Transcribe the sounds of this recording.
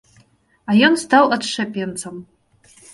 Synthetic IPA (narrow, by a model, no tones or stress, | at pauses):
ajonst̪awadʂapʲʼjɛnt͡sʰɐm